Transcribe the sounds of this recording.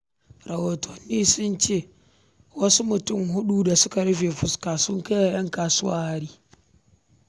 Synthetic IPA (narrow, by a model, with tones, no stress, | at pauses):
ɾa˨woː˨tʰɔ˨nːiː˦sʊ˦nt͡ʃeː˦˨ | wɐ˦su˦mʊ˨tʊ˦mɦʊ˦ɗu˦da˨sʊ˦ka˨ɾɪ˦ɸe˨fʊ˦ska˨sʊ˦ŋka˦ja˨jɐ˦ŋkaː˨sʊ˦wa̰ː˦ha˦ɾiː˦